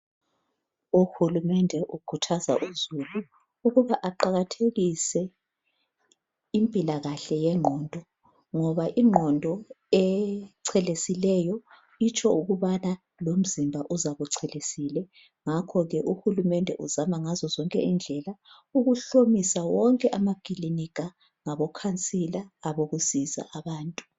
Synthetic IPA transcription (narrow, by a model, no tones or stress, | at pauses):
uxulumɛndʱɛʔuɡ̥ʰʱutʰaza̰ʔuzulu | uɣuβaʔaǃaɣatʰeɣisɛ | impʼilaɣaɬɛjɛŋ͡ǃʱɔːndʱɔ | ŋɔβaʔiŋ͡ǃʱɔndʱɔ | ɛǀʰɛlesilɛjɔ | it͡ʃʰʼɔuɣuβana | lom̩zimbʱaʔuzaβuǀʰɛlesilɛ | ŋakʰɔɣɛʔuxulumɛndʱɛ̰ʔuzamaŋazɔzɔŋkʼɛind͡ɮʱɛla | uɣuɬomisawɔŋkʼɛʔamaɡ̥ʱʼilinikʰʼa | ŋaβɔkʰant͡sʼilaːβoɣuz̥iza̰ʔaβaːntʼu̥